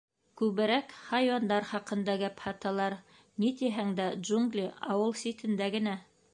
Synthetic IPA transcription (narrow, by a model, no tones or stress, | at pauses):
kʉβɘ̆ɾækχɑjwɑnd̪ɑɾχɑqɤ̆nd̪ɑɡæphɑt̪ɑlˠɑɾ | nit̪iɦæŋd̪ædʒuŋɡlʲiɑ̰wɤlˠsʲit̪ɘ̆nd̪æɡɘ̆næ